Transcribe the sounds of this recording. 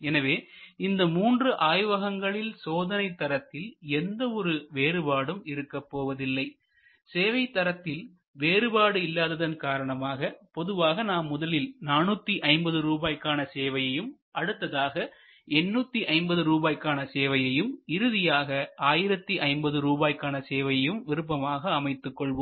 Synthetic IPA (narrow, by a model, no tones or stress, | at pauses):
ɛnɐʋeːɪnd̪ɐmuːndrɯʔaːjʋɐɣɐŋɡɐɭɪlsoːðɐnɐɪt̪ːɐɾɐt̪ːɪlɛnd̪ɐɔɾɯʋeːɾɯbaːɽɯmɪɾɯkːɐpːoːʋɐðɪlːɐɪ | seːʋɐɪt̪ːɐɾɐt̪ːɪl | ʋeːɾɯbaːɽɯɪlːaːðɐðɐnkaːɾɐɳɐmaːɣɐpɔðɯʋaːɣɐnaːmːʊðɐlɪlnaːnuːt̪ːiʔɐɪmbɐðɯɾuːbaːjkaːnɐseːʋɐjɐjɯm | ʔɐɽɯt̪ːɐðaːɣɐ | ɛnːuːt̪ːiʔɐɪmbɐðɯɾuːbaːjkaːnɐseːʋɐjɐjɯmɪɾɯðɪjaːɣɐʔaːjɪɾɐt̪ːiʔɐɪmbɐðɯɾuːbaːjkaːnɐseːʋɐjɐjɯmʋɪɾɯp̬ːɐmaːɣɐːmɐɪt̪ːɯkːɔɭʋoː